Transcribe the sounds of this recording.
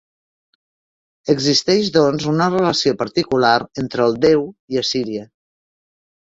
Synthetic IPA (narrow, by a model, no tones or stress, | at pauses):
əɡzist̪ɛʃðɔnzunərələsiopəɾt̪ikulaɾent̪ɾəːlˠd̪ɛwiəsiɾiə